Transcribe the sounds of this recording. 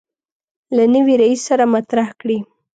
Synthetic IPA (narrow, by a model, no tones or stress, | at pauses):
lanəwiɾaisːaɾamat̪ɾahkɽi